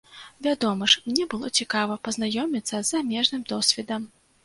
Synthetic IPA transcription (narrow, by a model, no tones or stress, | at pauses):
vʲad̪ɔmɐʂmnʲɛbɨlˠɔt͡sʲikavɐpɐznajɔmʲit̪sːɐzːamʲɛʐnɨmd̪ɔsʲvʲɛd̪ɐm